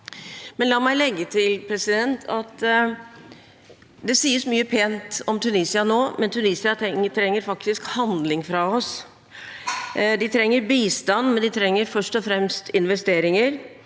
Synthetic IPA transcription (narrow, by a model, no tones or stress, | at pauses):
mɛnlɑːmæɪlɛɡːət̪ʰɪlpʰɾɛsɪd̪ɛnt̪ʰɑt̪ | d̪ɛsiːəsmyːəpʰeːnt̪ɔmt̪ʰʉniːsɪɑnoːmɛnt̪ʰʉniːsɪɑt̪ɛŋət̪ʰɾɛŋːəɾfɑkt̪ɪskhɑnd̪lɪŋfɾɑɔs | d̪ɪt̪ʰɾɛŋːəɾbiːst̪ɑnːmɛnd̪ɪt̪ʰɾɛŋːəɾfœʂʈɔfɾɛmst̪ɪnʋɛst̪eːɾɪŋəɾ